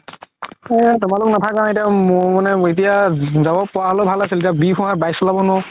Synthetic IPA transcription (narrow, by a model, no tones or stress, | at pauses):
ɛtʊmalʊknatʰakãetiammanɛit̬ijazabɔpɔaɦɔlɔbʱalasilit̬iabipʰɔ̃ɦabajsɔlabɔnɔ